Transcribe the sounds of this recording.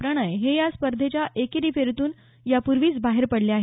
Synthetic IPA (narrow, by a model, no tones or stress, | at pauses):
pɾəɽ̃əjɦejaspəɾd̪ʱet͡ɕjaʔekeɾiːfeɾt̪uːn | japuɾʋiːt͡sbaɦeɾpəɽleaɦe